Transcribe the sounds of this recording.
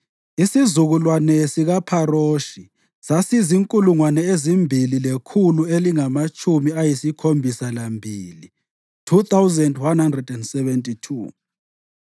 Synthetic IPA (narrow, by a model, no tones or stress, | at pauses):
isizuɣulwanɛsiɣapʰaɾoːʃi | sasiziŋkʼuluŋwanɛezimbʱililekʰulueliŋamat͡ʃʼumiajisikʰombʱisalambʱiːli | tʰut̪awzɛndwanhandrɛdɛndsɛvɛntʼitʰṵː